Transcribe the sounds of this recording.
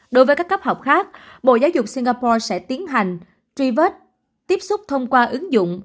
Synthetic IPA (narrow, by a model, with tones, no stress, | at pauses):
ɗo˨˦jvəː˨˦jka˦˥kːp̚hɦɔ˨˩wk͡p̚xaː˦˥k̚ɓo̰˧˨zaː˨˦wzʊ˨˩k͡p̚si˧ŋ̟ɣaː˧pɔ˧sɛ̰˧˥t̪i˨˦ənɦa˨˩jŋ̟ | t͡ɕwi˧və˦˥t̚ | t̪i˦˥əp̚sʊ˦˥k͡p̚t̪ʰə˧wŋ͡mkwaː˧ʔɨ˨˦ŋzʊ̰˧˨ŋ͡m